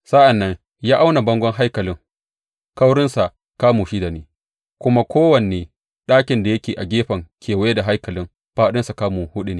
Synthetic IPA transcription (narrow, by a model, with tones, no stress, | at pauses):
sa˦ʔa˨nːɐ˦ŋ | jaː˦ʔa˦wna˨bɐ˦ŋɡʷɐ˦ŋɦa˦jkɐ˨lɪ˦ŋ | ka˦wɽɪ˦nsa˨ʔ | kaː˦muː˨ʃi˦da˨neː˨ | kʷʊ˦ma˦kʷoː˦wɐ˨n˨eː˨ | ɗaː˦kʲɪ˨nda˨jɐ˦kʲeː˨ʔa˨ɡʲeː˦ɸɐ˨ŋkʲʰeː˨wjda˨ɦa˦jkɐ˨lɪ˦ŋ | ɸaː˦ɗɪ˦nsa˨kaː˦muː˨hʊ˦ɗi˦neː˦